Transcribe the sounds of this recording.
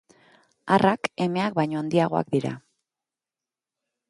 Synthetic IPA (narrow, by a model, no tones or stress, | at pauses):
arʔake̞me̞ak̚bajɲo̞and̪iaɣ̞o̞a̰kd̪iɾa̰